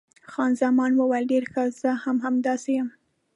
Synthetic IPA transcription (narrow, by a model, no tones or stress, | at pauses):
xɑnzɑmɑnwəwajlɖeɾxəz̥əhamhamd̪ɑsejam